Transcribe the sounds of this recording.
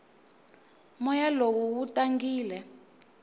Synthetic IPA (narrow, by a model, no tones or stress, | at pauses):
mɔjalowuwutaŋɡiːlɛ